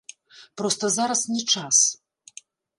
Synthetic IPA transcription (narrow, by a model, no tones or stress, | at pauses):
pɾɔst̪ɐzaɾɐsnʲɛt͡ʂas